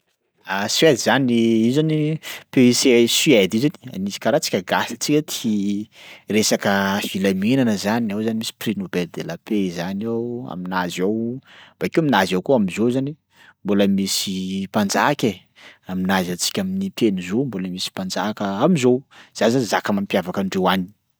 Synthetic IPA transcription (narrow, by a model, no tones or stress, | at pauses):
aswed̪izaniizanipeisesiɛd̪izani̥a̰nisi̥kaɾat͡si̥kʲəɡasi̥t͡sikʲət̪ʰi̥ | resakəfilaminanəzanawzanimisi̥prinobɛld̪elapezanawa̰minazawb̥akiuaminazawkuamizowzani | mboləmisipand͡ʒakʲe | aminazat͡si̥kʲaminit̪ʰenizomboləmisi̥pand͡zakəamizoz̥azazakamampjavakəɳɖ͡ʐewani̥